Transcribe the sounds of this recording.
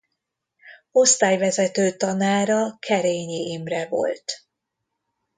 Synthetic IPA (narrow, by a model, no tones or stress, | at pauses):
o̞st̪aːjvɛzɛt̪øːt̪ɒnaːɾɒkʰɛɾeːɲiʔimrɛvo̞̰lt̪